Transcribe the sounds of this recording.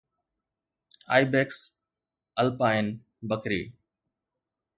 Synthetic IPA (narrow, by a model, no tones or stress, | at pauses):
a̰ːibeːks | əlpaːɪn | bəkɾḭː